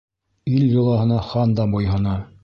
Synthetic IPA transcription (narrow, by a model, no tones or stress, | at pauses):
iljɤ̆lˠɑɦɤ̆nɑχɑnd̪ɑbojɦɤ̆nɑ